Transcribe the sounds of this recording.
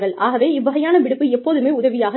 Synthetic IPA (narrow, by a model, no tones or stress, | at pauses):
ɣɐɭaːɣɐʋeːɪbɐɣɐjaːnɐʋɪɽɯpːɯɛpːoːðɯmeːʊðɐʋɪjaːɣɐ